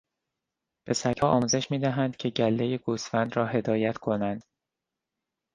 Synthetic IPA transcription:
b̥e̞sækʰɒːʔɒːmuːze̞ʃmiːd̪æɦænd̪̥cʰe̞ɟælːe̞jeɡuːsfænd̪ɾɒːɦe̞d̪ɒːjæt̪ʰkʰo̞nænd̪̥

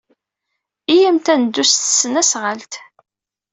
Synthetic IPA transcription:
ijəmt̪ænd̪ːust̪sːənæsʁəlt̪

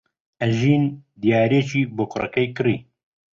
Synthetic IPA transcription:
ʔɛʒiːnd̪ijaːɾeːt͡ʃiːboːqʰʊrɐ̰kɐjkɨɾiː

